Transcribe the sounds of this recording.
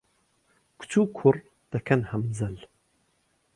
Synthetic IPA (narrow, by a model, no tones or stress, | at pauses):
kʰu̥t͡ʃʰuːkʰʊrˤ | d̪̥ɐkʰɐnhɐmzɐl